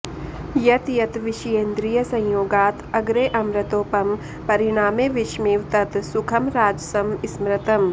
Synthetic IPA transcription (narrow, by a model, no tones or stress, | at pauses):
jɐt̪jɐt̪ʋɪʃjeːnd̪ɾijɐsɐ̃j̃joːɡaːt̪ɐɡɾeːʔɐmɾɐt̪oːpɐm | pɐɾɪɽ̃aːmeːʋɪʃmiːʋt̪ɐt̪sʊkʰɐmɾaːd͡ʒsɐmɪsmɾɐt̪ɐm